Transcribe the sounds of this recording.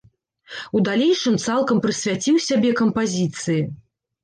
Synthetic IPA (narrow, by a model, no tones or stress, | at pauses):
ud̪alʲejʂɨmt̪salˠkɐmpɾɨsʲvʲat͡sʲiwsʲabʲɛkɐmpazʲit̪sɨji